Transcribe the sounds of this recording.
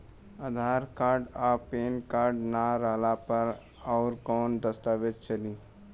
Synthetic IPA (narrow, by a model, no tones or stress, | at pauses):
ad̪ʱaːɾkaːɾɖaːpeːnkaːɾɖnaɾəɦlapɐɾ | ɔːɾkɔːnd̪əst̪aːʋed͡ʒ̪t͡ʃəliː